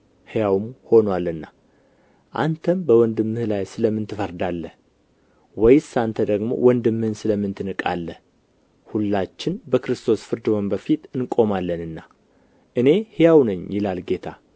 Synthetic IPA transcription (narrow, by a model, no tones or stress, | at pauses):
hjawmho̞nwalɨnːa | ʔa̰nt̪ʰəmbəwɔnd̪ɨmːɨhlajsɨləmːɨnt̪ʰɨfəɾd̪alːəh | wɔjsant̪ʰəd̪əɡmo̞̰wʔɔnd̪ɨmːɨhɨnsɨləmːɨnt̪ʰɨnɨkʼa̰lːəh | hulːat͡ʃːɪnbəkɾɨst̪ʰo̞sfɨɾd̪ɨwonbəfit̪ʼɨnkʼo̞malːənɨnːa | ʔɨne̞hɪjawnɨɲːjɪlalɡe̞t̪ʰa